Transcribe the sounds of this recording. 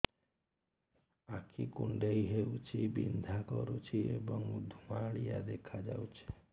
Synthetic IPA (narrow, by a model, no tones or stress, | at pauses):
akʰikuɳɖejɦewt͡ʃʰibind̪ʱakɔɾut͡ʃʰiebɔŋud̪ʱumaɭijad̪ekʰad͡ʒa̰wt͡ʃʰi̥